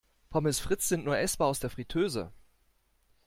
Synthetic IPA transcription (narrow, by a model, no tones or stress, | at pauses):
pʰɔmɪsfʁ̥ɪt͡sz̥ɪntnuːɐʔɛsb̥aːaʊsd̥eːɐfʁ̥itʰøːzə̰